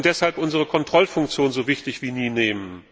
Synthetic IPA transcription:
nd̥ɛshalpʔʊnzəʁ̞əkʰɔntʁ̥ɔlfʊŋk̚t͡sjoːnzoːvɪçtɪçv̥iːniːneːmən

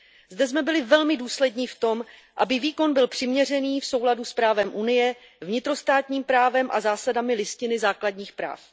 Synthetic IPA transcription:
zdɛzmɛbɪlɪvɛlmɪduːslɛdɲiːft̪o̞mʔa̰bɪviːko̞nbɪlpr̥ɪmɲɛr̝ɛniːfso̞wladuspɾaːvɛmʔunɪjɛ | vɲɪt̪ɾo̞st̪aːt̪ɲiːmpɾaːvɛmʔa̰zaːsadamɪlɪscɪnɪzaːkladɲiːxpɾa̰ːf

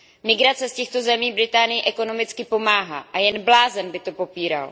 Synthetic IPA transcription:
mɪɡɾat͡sɛscɛxt̪o̞zɛmiːbɾɪt̪aːnɪjɪʔɛko̞no̞mɪt͡skɪpo̞maːɦa̰ːʔajɛnblaːzɛnbɪt̪o̞po̞piːɾa̰l

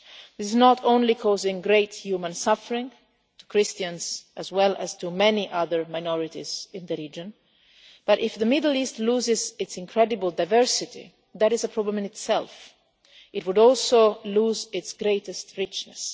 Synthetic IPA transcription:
ðɪsɪznəɾõʊ̃nlikʰɔzɪ̃ŋɡɹeɪthjumə̃nsʌfəɹɪ̃ŋ | tʰu̥kʰɹɪstə̃nz̥ʔəzwɛlˠə̰z̥tʰumɛniʔʌðə˞maɪnɔɹɪtiz̥ɪ̃nðəɹid͡ʒə̃n | b̥ʌɾɪfðəmɪdl̩ˠistluːzɪzɪtsɪ̃nkʰɹɛdɨbəlˠdaɪvɜɹsɪtḭ | ðæɾɪzəpʰɹ̥ɔblə̃mɪ̃nɪtsɛ̰lˠf | ʔɪt̚wʊdɔlˠsoluːzɪtsɡ̥ɹeɪɾɨstɹɪt͡ʃnɨs

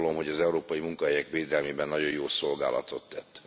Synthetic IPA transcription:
lo̞mɦo̞ɟɒzɛuɾoːpɒjimuŋkɒɦɛjɛkʋeːd̪ɛlmeːbɛnːɒɟo̞joːso̞lɡa̰ːlɒ̰t̪ʰo̞t̪ːɛt̪ː

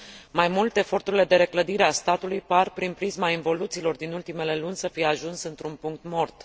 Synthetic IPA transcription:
majmult̪e̞efo̞rt̪uɾile̞d̪e̞ɾekləd̪iɾe̞ast̪at̪ulujparpɾinpɾizmainvo̞lut̪siːlo̞rd̪inult̪ime̞le̞lunʲsəfijeaʒunsɨnt̪ɾunpuŋk̚t̪mo̞rt̪

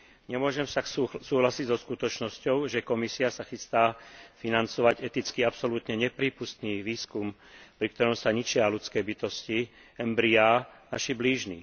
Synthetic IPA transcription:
ɲɛmʊɔʒɛmsasuːɦlasiɟzɔskut̪ɔt͡ʃnɔscɔʊʒɛkɔmisiasaxist̪aːfinant͡sɔʋaɟɛt̪it͡skiapsɔlut̪ɲɛɲɛpɾiːpust̪niːʋiːskum | pɾik̚t̪ɔɾɔmsaɲit͡ʃɪalut͡skɛːbit̪ɔsci | ɛmbɾiaː | aʃibliːʒnḭː

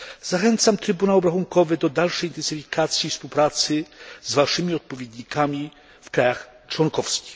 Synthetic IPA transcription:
z̥axɛnt̪samt̪ɾɘbunawɔbɾaxuŋkɔvɘd̪ɔd̪alʂɛjint̪ɛnsɘfʲikʰat̪sʲjifspuwpɾat̪sɘzvaʂɘmʲiɔt̪̚pɔvʲjɛd̪ɲikʰamʲi | fkɾajaxt͡ʂwɔnkɔfskʲi̥x

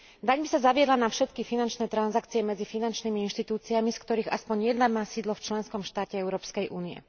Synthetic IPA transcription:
d̪aɲbisazaʋɪɛd̪lanafʃɛt̪kifinant͡ʃnɛːt̪ɾanzakt͡siɛmɛd͡zifinant͡ʃniːmiinʃt̪it̪uːt͡siamiskt̪ɔɾiːɣa̰spɔɲjɛd̪naɡmaːsiːd̪lɔft͡ʃlɛnskɔmʃt̪aːcɛɛʊɾɔːpskɛjʔṵːniɛ̰

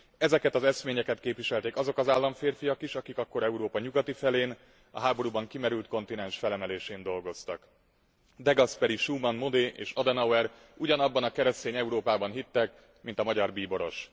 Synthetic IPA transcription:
ɛzɛkɛt̪ɒzɛsmeːɲɛkɛt̪keːpʋiʃɛlt̪eːkɒzo̞kɒzaːlːɒɱfeːrfijɒkiʃɒkikɒkːo̞ɾɛuɾoːpɒɲuɡɒt̪ifɛleːn | ɒ̰ɦaːbo̞ɾuːbɒŋkimɛɾylt̪ko̞nt̪inɛnʃfɛlɛmɛleːʃeːnd̪o̞lɡo̞st̪ɒk | d̪ɛɡɒspɛɾiʃuːmɒnmod̪eːʔḛːʃɒd̪ɛnɒwɛɾ | uɟɒnɒbːɒnɒkɛɾɛst̪eːɲɛuɾoːpaːbɒnɦit̪ːɛk̚ | mint̪ɒmɒɟɒrbiːbo̞ɾo̞̰ʃ

